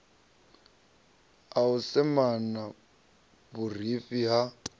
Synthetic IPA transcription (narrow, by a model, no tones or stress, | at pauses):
aʊsɛmana | bʊr̤ifiɦa